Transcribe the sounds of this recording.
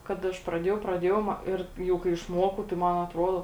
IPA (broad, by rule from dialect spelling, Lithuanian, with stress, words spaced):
kɐt ˈɐʃ prɐˈdʲeːjɛʊ prɐˈdʲeːjɛʊ mɐ ˈɪr ˈjɛʊ kɐɪ ɪʃˈmoːkɐʊ tɐɪ ˈmɐn ɐtˈroːdoː